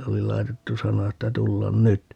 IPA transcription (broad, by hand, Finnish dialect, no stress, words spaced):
oli lɑi̯tetːu sɑnɑ etːæ tulːɑn nyt